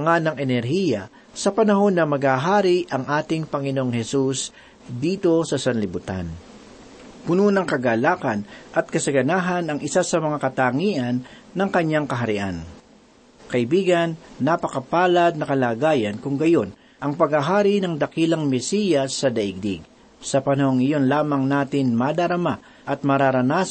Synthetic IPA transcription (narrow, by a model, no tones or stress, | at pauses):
ɐŋanɐŋɛnɛɾhiːjɐ | sɐpɐnɐho̞nːɐmɐɡhaːɦaːɾiʔɐŋʔaːt̪ɪŋpɐŋɪnoʔoŋhɛsus | d̪iːt̪o̞sɐsɐnlɪbʊt̪a̰n | pʊnunɐŋkɐɡaːlaːkɐnʔɐt̪̚kɐsɐɡɐnaːɦɐnɐŋɪsasɐmɐŋakɐt̪aːŋiːʔɐnːɐŋkɐɲːaŋkɐɦɐɾɪʔan | kɐʔɪbiːɡɐnːɐpɐkɐpaːlɐd̪̚nɐkɐlaːɡaːjɐnkʊŋɡɐjo̞n | ʔɐŋpɐɡaɦaːɾinɐŋd̪ɐkiːlɐŋmɛsiːjɐsːɐd̪ɐʔɪɡ̚d̪iɡ̚ | sɐpɐnɐhoŋɪjo̞nlaːmɐŋnaːt̪ɪnmad̪ɐɾɐma | ʔɐt̪̚mɐɾaɾɐnaːs